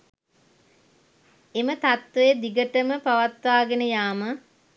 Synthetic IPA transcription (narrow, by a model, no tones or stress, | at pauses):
emət̪at̪ʋejəd̪iɡəʈəməpaʋat̪ʋaːɡenəjaːmə